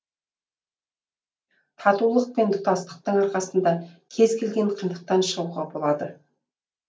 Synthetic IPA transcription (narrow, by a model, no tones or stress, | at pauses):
t̪ʰɑt̪ulˠəq̚pe̞nd̪ʊt̪ɑst̪ə̥q̚t̪əɴɑɾqɑsənd̪ɑkʲʰe̞zkʲʰe̞lɡʲe̞ɴqʰijnd̪əq̚t̪ɑnʃəuʁɑbo̞lˠɑd̪ə